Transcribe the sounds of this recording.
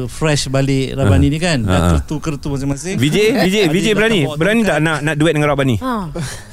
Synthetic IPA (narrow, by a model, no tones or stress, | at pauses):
fɾɛʃbalɪʔɾabaninikanaʔkə̰rt̪ukərt̪umasɪmasɪŋvid͡ʒevid͡ʒevid͡ʒebəɾanĩbəɾanĩt̪aʔnãʔnãʔduɛt̚dəŋaɾaʔbanĩ